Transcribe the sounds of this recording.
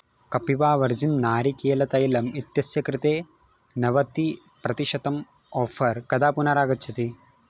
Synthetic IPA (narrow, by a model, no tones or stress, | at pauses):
kɐpiʋaːʋɐɾd͡ʒinnaːɾikeːlɐt̪ɐjlɐmit̪jɐsjɐkɾɪt̪eː | nɐʋɐt̪i | pɾɐt̪iʃɐt̪ɐm | ɔːfʰɐɾkɐd̪aːpunɐɾaːɡɐt͡ʃʰːɐt̪i